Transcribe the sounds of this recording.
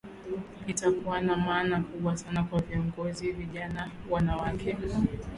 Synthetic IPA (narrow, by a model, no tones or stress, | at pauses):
itakuwanamaːnakuɓwasanakwaviɔŋɡɔziviʄanawanawakʰɛ